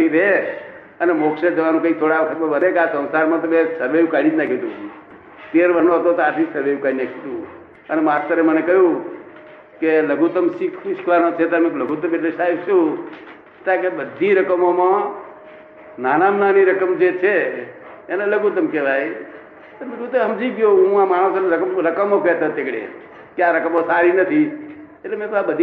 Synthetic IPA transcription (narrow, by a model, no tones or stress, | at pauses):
iɾe | ənemokʃed͡ʒ̪əʋanũkəĩt̪ʰoɽaʋt̪ʰəkoʋənekasə̃wsaɾmãt̪əmẽsəbejukaɽid͡ʒnakʰit̪ũu | t̪eɾʋənoɦət̪ot̪oaʈ̪ʰisəʋejukaɽinakʰit̪ũ | ənemast̪əɾemənekəɦjũ | keləɡut̪əmsikʰʋikʰʋanot͡ʃʰet̪mekləɡut̪əmeʈlesaibt͡ʃʰũ | t̪akebəd̪ʱiɾəkəmomã | naːnamnaniɾəkəmd͡ʒet͡ʃʰe | enaləɡut̪əmkeʋai | t̪əmekũt̪əɦəmd͡ʒikjoũãmaɽ̃õsnɾəkəmɾəkəmokɛt̪at̪ekɽḛ | kjaɾəkəmosaɾinət̪ʰietlemẽk̪abəd̪ʱ